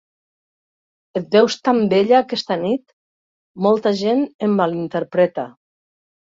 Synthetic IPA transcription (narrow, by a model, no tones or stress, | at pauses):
et̪̚d̪ewst̪ambeʎaːkɛst̪anit̪ | mɔlˠt̪aʒenembalint̪eɾpɾɛt̪a